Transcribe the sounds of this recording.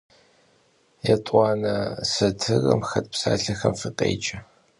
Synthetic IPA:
jɛtʼɑːnɐsɐtʰɨrɐ̰mxɐt̚psaːɬɐxɐmfɨqʼḛːt͡ʃʼɐ

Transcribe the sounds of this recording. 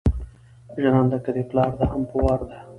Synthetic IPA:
ʒanɑnd̪akad̪eplɑɾd̪ahampəwɑɾd̪a

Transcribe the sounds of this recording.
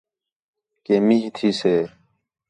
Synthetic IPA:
keːmiɦt̪ʰiːseː

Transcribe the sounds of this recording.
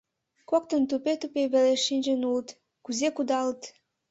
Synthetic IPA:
kok̚t̪ənt̪upet̪upeβeleʃinʲd͡ʒənulət̪ | kuzekud̪ɑlət̪

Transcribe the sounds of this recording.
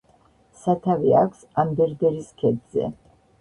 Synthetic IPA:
sat̪ʰavia̰kʰsamd̪ɛɾd̪ɛɾiskʰɛd̪zɛ̰

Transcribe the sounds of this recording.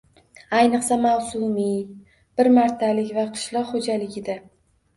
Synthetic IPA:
ajnɨqsamawsʊmi | b̥ɪɾmaɾt̪ʰalɪkʲvaqʰɨ̥ʃlˠɒqhod͡ʒalɪɡʲɪd̪a

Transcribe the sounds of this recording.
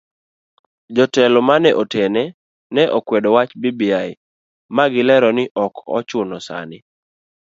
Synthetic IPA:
d͡ʒɔtɛlɔmanɛʔotʰɛnɛ | nɛʔɔkwɛdɔwat͡ʃbibiaɪ | maɡɪlɛɾɔnɪʔɔkɔ̰t͡ʃʊnɔsa̰nɪ

